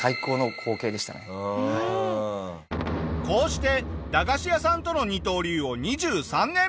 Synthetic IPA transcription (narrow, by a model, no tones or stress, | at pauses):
aiko̞ːnokʰo̞ːke̞ːd̪e̞ɕi̥t̪a̰nḛ | ko̞ːɕi̥t̪e̞d̪aɡaɕijasãnt̪o̞no̞ɲ̟it̪o̞ːɾʲiːo̞ɲ̟iʑɨːsãnːẽ̞